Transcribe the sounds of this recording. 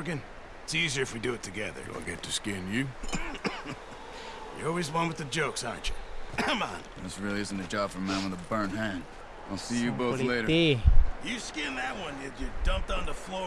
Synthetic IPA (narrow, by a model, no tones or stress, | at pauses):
ɡɨ̃n | ɪtsiziə˞ɨfwidɨɨtʰɨɡɛðə̰˞ɡo̰a̰ɡɛtʰɨskɪ̃njʉ | jə̰ɔlˠwizwʌ̃nwɨðɨd͡ʒoʊksɑɹ̰̃nt͡ʃɨmã̰n | ðɨsɹɪlˠiɪzn̩tɨd͡ʒɑb̥fə˞mæ̃nwə̃nəbɜ̃˞nɦæ̃nd | alˠsijɨboʊθleɪɾə˞ | jɨskɪ̃nðɨt̚wʌ̃njɨɨdʌ̃mp̚tn̩ðəflɔ